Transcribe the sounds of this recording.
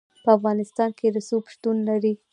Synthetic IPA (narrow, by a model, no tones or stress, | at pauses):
pəafɣɑnɪst̪ɑnked̪əsopʃt̪unlaɾi